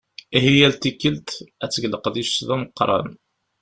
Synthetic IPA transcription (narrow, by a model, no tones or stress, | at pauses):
ihijælt̪ikːəlt̪æt͡sːəɡləqðiʃðæməqːɾˤɑ̰n